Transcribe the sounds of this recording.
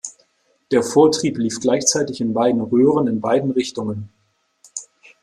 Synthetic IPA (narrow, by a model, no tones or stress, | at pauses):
d̥eːɐfoːɐtʁ̥iːpliːfɡ̥laɪçt͡saɪtɪçɪnbaɪdn̩ʁøːʁ̞ənɪnbaɪdn̩ʁɪçtʊŋən